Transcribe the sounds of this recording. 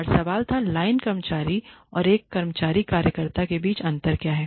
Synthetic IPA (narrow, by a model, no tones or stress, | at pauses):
ɾsɐʋaːlt̪ʰalaːɪnkɐɾmət͡ʃaːɾiɔːɾeːkːɐɾmət͡ʃaːɾikaːɾjəkəɾt̪akebiːt͡ʃɐ̃nt̪əɾkjaːɦɛː